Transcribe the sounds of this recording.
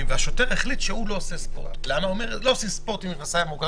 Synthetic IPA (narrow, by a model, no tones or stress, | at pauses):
mveaʃoteʁeχlit̪ʃeulo̞ːsespo̰t̪leanaome̞ʁloːsispoʁt̪imimasaemoɡ